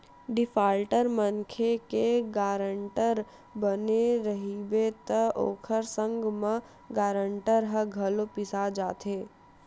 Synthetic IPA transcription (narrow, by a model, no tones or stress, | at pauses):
ɖɪfʰaːlʈəɾmənkʰekeɡaːɾəɳʈəɾ | bəneɾəɦibet̪əʔo̰ːkʰəɾsə̃ŋɡmẽ | ɡaːɾəɳʈəɾɦəɡʱɐlopɪsad͡ʒaːt̪eː